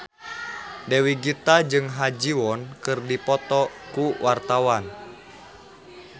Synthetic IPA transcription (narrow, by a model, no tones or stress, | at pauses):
dewiɡit̪ad͡ʒɨŋɦad͡ʒiwɔnkɨrdipɔt̪ɔkuwʔart̪awan